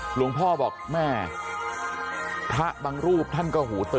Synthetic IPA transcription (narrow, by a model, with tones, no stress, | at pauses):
lu˩˦əŋpʰɔː˥˩bɔː˨˩k̚mɛː˥˩ | t̪ʰa˦˥ʔbaː˧ŋɾuː˥˩p̚t̪ʰa˥˩nkɔː˥˩ɦuː˩˦t̪ɤ˧